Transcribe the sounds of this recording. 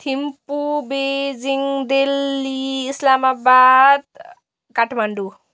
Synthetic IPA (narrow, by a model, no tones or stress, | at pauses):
t̪ʰimpubed͡ziŋd̪elːiːslamabad̪̚ | kaʈʰmaɳɖu